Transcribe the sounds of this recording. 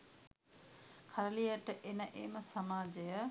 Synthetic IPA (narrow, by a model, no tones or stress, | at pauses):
kʰaɾəlijəʈəʔenəʔeməsamaːd͡ʒejə